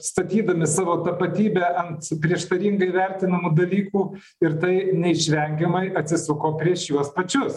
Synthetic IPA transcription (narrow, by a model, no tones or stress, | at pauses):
st̪ɐt̪ʲiːd̪ɐmʲɪsɑːʋoːt̪ɐpɐt̪ʲiːbʲɛʔɐnt̪pʲɾʲiɛʃt̪ɐɾʲiŋɡɐiʋʲɛɾʲt̪ʲɪnɐmuːd̪ɐlʲiːkuː | ɪɾt̪ɐɪnʲɛɪʃʲʋʲɛŋʲɡʲɛmɐɪʔɐt̪ʲsʲɪsʊkoːpʲɾʲiɛʃjuɔspɐt͡ʃʲʊs